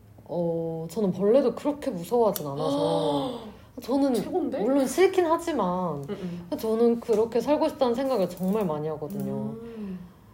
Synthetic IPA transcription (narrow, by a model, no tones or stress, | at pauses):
ʌt͡ɕʌnɯnpʌɭːe̞dokɯɾʌkʰe̞musʰʌwɦad͡ʑinanasʰʌ | t͡ɕʌnɯnwʌɭːʌnsʰɯkʰinhad͡ʑimankat͡ɕʌnɯnkɯɾʌkʰe̞sʰaɭɡoɕʰip̚t͈anɯnsʰe̞ŋɡaɡɯɭt͡ɕʌŋmaɭmaɲiɦaɡʌdɯɲo